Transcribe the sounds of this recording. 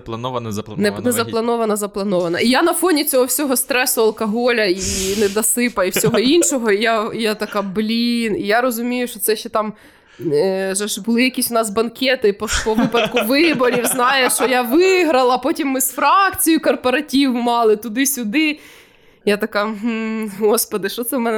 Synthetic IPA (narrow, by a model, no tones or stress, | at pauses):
nɛnɛzɐplˠɐnɔʋɐnɐzɐplˠɐnɔʋɐnɐijanɐfɔnʲit͡sʲɔɦɔwsʲɔɦɔst̪ɾɛsʊɐlˠkɐɦɔlʲɐinɛd̪ɐsɪpɐiwssʲɔɦɔinʃɔɦɔijajat̪ɐkɑblʲinijaɾɔzʊmʲijʊʃt͡ʃɔt̪sɛʃːɛt̪ɑm | ʒɛʃbʊlˠɪjɐkʲisʲwnɑsbɐnkʲɛt̪ɪpɔpɔʋɪpɐd̪kʊʋɪbɔɾʲiwznɑjɛʃt͡ʃɔjaʋɪɦɾɐlˠɐpɔtʲimːɪsfɾɑkt͡sʲijʊkɔrpɔɾɐtʲiwmɑlˠɪt̪ʊd̪ɪsʲʊd̪ɪ | jat̪ɐkɑɦm̩ɦɔspɔd̪ɪʃt͡ʃɔt̪sɛmɛnɛ